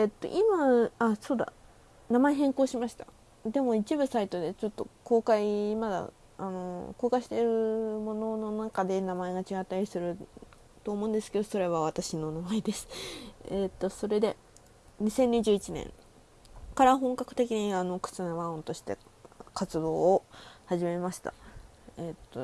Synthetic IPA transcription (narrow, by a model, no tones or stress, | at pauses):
et̪ːo̞̰ʔimaasoːd̪a̰ | namaeɦẽ̞ŋko̞ːɕimaɕi̥t̪a̰ | d̪e̞mo̞it͡ɕibɯ̟sait̪o̞d̪e̞t͡ɕo̞t̪ːo̞ko̞ːkaimad̪a̰ | ano̞̰ko̞ːkaiɕi̥t̪e̞ɾɯ̟mo̞no̞no̞nakad̪e̞namae̞ɡat͡ɕiɡat̪ːaɾʲisɨɾɯ̟ | t̪oːmõ̞ɯ̃nd̪e̞sɨ̥ke̞d̪o̞so̞ɾe̞βaβ̞at̪aɕino̞namaed̪e̞sɨ̥et̪ːo̞so̞ɾe̞d̪e̞ | ɲ̟isẽ̞ɲ̟iʑɨːit͡ɕinḛ̃ŋ | kaɾaɦõ̞ŋkakɯ̟̥t̪e̞kʲiɲ̟iano̞kɯ̟̥t͡sɨnoβaɯ̃nt̪o̞ɕi̥t̪e̞̰kat͡sɨd̪o̞ːhaʑime̞maɕi̥t̪a̰ | et̪ːo̰